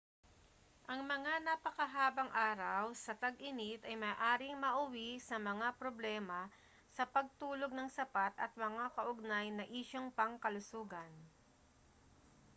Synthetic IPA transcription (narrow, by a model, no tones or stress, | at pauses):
ʔɐŋmɐŋanɐpɐkɐɦaːbɐŋʔaːɾɐwsɐt̪ɐɡʔɪnit̪ɐjmɐːʔaːɾɪŋmɐʔʊwisɐmɐŋapɾoblɛːmɐ | sɐpɐɡ̚t̪uːlo̞ɡ̚nɐŋsɐpat̪ɐ̰t̪̚mɐŋakɐʔʊɡ̚najnɐʔiːʃoŋpɐŋkɐlʊsuːɡɐn